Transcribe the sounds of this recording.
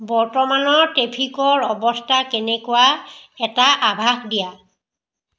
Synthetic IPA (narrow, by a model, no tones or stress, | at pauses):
bɔɹtɔmanɔɹtepʰikɔɹɔbɔstʰakɛnɛkʊwaɛtaʔabʱaxdija